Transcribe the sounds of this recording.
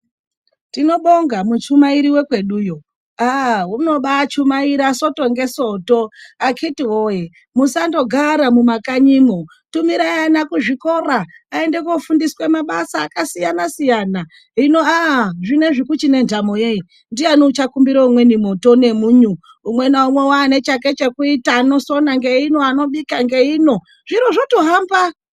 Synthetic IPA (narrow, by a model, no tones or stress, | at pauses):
tino̞ɓo̞ŋɡamut͡ʃumaiɾiwe̞kwe̞ɗuːjo | awouno̞ɓat͡ʃumaiɾaso̞to̞ŋɡe̞so̞to̞akitiwoje | musando̞ɡʱaɾamumakaɲimo | tumiɾajanakuʐiko̞ɾaː | e̞nde̞kofundiswe̞maɓasaːkasijanasijana | ɦino̞aʐine̞ʐikut͡ʃine̞ndamojei | ndianot͡ʃakumbiɾoumwe̞nimoto̞ne̞muɲu | umwe̞naumwe̞waːne̞t͡ʃak̬e̞t͡ʃe̞kuitaːno̞so̞naŋɡe̞ino̞ano̞ɓikaŋɡe̞iːno̞ | ʐiɾoʐotoɦaːmba